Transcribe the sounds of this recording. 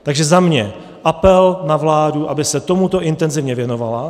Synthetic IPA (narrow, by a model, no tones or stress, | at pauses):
t̪aɡʒɛzamɲɛ | ʔapɛlnavlaːduʔabɪsɛt̪o̞mut̪o̞ʔɪnt̪ɛnzɪvɲɛvjɛno̞vala